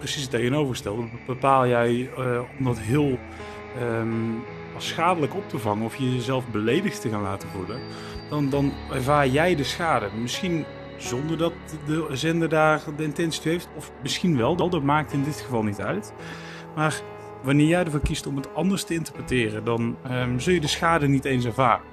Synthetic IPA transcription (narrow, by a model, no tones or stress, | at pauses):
prəsistejɣənowvərstɛlˠdbəpaːlˠjɛjɔmdɑtɦɪːlˠ | sxaːdələkɔp̚təvɑŋənɔfjəzɛlˠfbəlejdəxttəɣaːnlaːtəvudə | dɑndɑnɛɹvaːɹjɛjdəsxaːdəmɪsxin | zɔndəɹdɑt̚ | dəzɛndədaːrdəɪntɛnsi̥tyɦejftɔfmɪsxinʋɛlˠdɑlˠdɑt̚maːk̚tɪndɪtxəvɑlˠnitœ̰ɥt | maːr | ʋɑnɪːɹjɛjdəɹvɔkistɔmətɑndəɹstəɪntəɹpətɪːrəndɑnzɵlˠjədəsxaːdənitejns̬ɛɹvaːrə